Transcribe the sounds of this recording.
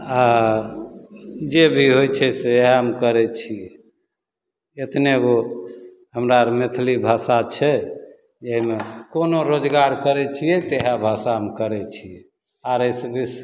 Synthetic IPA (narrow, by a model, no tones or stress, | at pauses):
a | d͡ʒebʱiɦojt͡ʃʰɛseeɦaɦəmkəɾɛt͡ʃʰijɛ | et̪neɡo | ɦəmɾaɾmet̪ʰlibʱasat͡ʃʰɛ | d͡ʒeɦimekonoɾod͡ʒɡaɾkəɾɛt͡ʃʰijɛt̪eɦabʱasaɦəmkəɾɛt͡ʃʰijɛ | aɾəjsebʱis